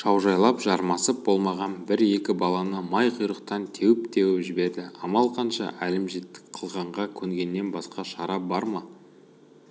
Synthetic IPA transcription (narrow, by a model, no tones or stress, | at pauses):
ʃɑwʒɑjlˠɑpʒɑɾmɑsəp̚bo̞lˠmɑʁɑnbɪɾe̞kʲɪbɑlˠɑnəmɑjqʰəjɾəq̚t̪ɑnt̪ʰe̞wɪp̚t̪e̞wɪʒɪbe̞ɾd̪ɪɑmɑlˠqʰɑnʃɑ̰ʔælɪmʒet̪ːɪ̥kqʰəlˠʁɑɴʁɑkʲʰɵŋɡʲe̞nːe̞nbɑsqɑʃɑɾɑbɑɾmɑ